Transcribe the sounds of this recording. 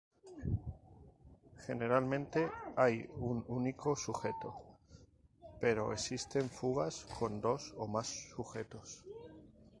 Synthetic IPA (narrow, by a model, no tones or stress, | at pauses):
xe̞ne̞ɾalmẽ̞nt̪e̞ajununiko̞suxe̞t̪o̞ | pe̞ɾo̞̰esist̪e̞ɱfuɣ̞askʰo̞nd̪o̞so̞masːuxe̞t̪os